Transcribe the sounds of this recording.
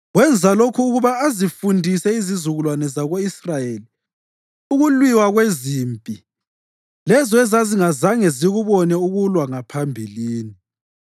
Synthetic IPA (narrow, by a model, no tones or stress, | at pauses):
ɣwɛnd͡zʱalokʰuːɣuβaːzifundʱisɛizizuɣulwanɛzaɣoisrajeli | uɣulwiwaɣweziːmpʼi | lɛzɔɛzaziŋazaŋɛziɣuβɔnɛuɣulwaŋapʰambʱiliːni